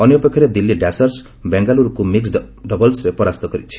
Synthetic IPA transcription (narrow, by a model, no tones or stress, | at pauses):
ɔnjɔpekʰːɔɾed̪ilːiɖasɔɾs | beŋɡaluɾukumiksɖɔbɔlsɾepɔɾast̪ɔkɔɾit͡ʃʰi̥